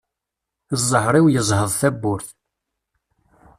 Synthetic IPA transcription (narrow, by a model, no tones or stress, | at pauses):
zˤːəħɾˤiwjəzˤhəðˤθæbːʊɾθ